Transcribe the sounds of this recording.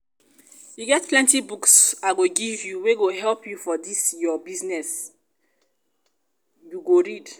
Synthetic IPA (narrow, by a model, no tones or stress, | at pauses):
juɡɛtplɛ̃ntibuksaɡoɡivjuweɡoɦɛlpʰjufɔdisjɔbiznɛs | juɡoɹid